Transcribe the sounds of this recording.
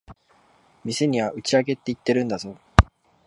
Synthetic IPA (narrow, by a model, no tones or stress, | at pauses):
mʲiseɲ̟iβaʔɯ̟t͡ɕiaɡe̞t̪ːeit̪ːe̞ɾɯ̟̃nd̪azo̞ː